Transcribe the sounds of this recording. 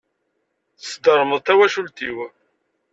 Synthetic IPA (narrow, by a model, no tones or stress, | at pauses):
θəsd̪əɾˤməðˤt̪æwæʃult̪iw